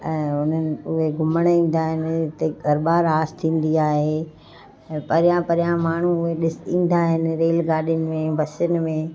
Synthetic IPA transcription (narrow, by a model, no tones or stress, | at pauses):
ɛ̃ːʊn̤ənɪ̆ʊɦeɡʱʊməɽ̃ĩːn̆d̪aːɦɪnɪ̆t̪ɐɡʱɐɾbaːɾaːst̪ʰĩːn̆d̪iaːɦẽː | pɐɾɪjãpɐɾijãmaːɳ̤uʊɦeɗɪsĩːn̆d̪aːɦɪnɪ̆ɾeːlɡaːɗɪjʊnɪ̆mẽʋɐsʊnɪ̆mẽ